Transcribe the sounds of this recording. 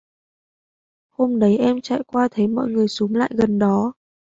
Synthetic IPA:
ho˧mɗə˨˦jʔɛ˧mt͡ɕa̰ː˧˨jkwaː˧t̪ʰə˨˦jmɔ̰˧˨jŋɨ˨˩əjso˨˦mla̰ː˧˨jɣə˨˩nɗɔ˨˦

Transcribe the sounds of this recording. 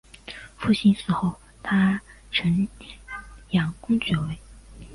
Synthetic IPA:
fu˥˩ɕi˥nsɹ̩˧˩xo˥˩ʊ | t̪ʰa˥ | ʈ͡ʂʰə˧˥n | jɑ˨˩ŋkʊ˥ŋt͡ɕɥɛ˧˥we˧˥ɪ

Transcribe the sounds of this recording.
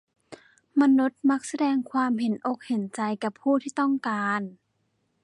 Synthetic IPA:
ma˧nu˦˥t̪̚ma˦˥k̚sa˧dɛː˧ŋkʰwaː˧mɦe˨˩˦nʔo˧˩k̚he˨˩˦nt͡ɕa˧jka˧˩pʰːuː˥˩t̪ʰiː˥˩t̪ɔ˥˩ŋkaː˧n

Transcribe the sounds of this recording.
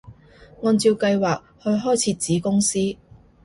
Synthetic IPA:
ŋɔː˧nt͡siː˧wkɐ˧jwaː˨k̚hɵ˨˧ɥɦɔː˥jt͡sʰiː˧t̚t͡siː˨˥kʊ˥ŋsiː˥

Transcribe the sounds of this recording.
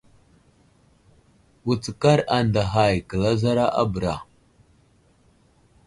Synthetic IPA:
wu˨t͡sə˨ka˦ɾa˨nda˨ɦa˨jkə˨la˦za˦ɾa˦ʔa˦bə˨ɾa̰˨

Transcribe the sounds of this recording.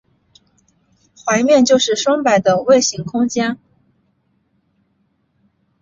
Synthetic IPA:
xwa˧˥ɪmjɛ˥˧nt͡ɕjo˥˧ʊʂɻ̩˥˩ʂwɑ˥ŋpa˨˩ɪd̪ə˦we˥˩ɪɕi˧˥ŋkʰʊ˥ŋt͡ɕjɛ˥n

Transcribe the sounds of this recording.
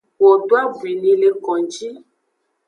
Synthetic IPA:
wɔ˨ɖo˦a˦vu˨i˨nĩ˧le˧kɔ̃˨d͡ʒi˦

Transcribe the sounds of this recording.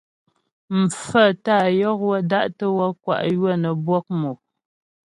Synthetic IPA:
m̩˨fə˦˨ta˦˨jɔ˦k̚wa˦da˦ʔtə˦wa˦kwa̰˨ʔjwə˦˨nə˨bwɔ˦k̚mo˨

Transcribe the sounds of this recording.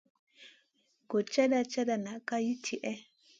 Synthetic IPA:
ɡɔ˨t͡ʃa˦da˨t͡ʃa˦da˨na˨ka˦ji˦tʰi˨ʔɛ˦

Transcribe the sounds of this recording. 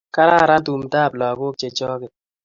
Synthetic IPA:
ka˦ɾa˦˨ɾa˦tu˨mdaː˦˨blɔ˨ɡo˦k̚t͡ʃe˨t͡ʃɔː˦kɪ˨

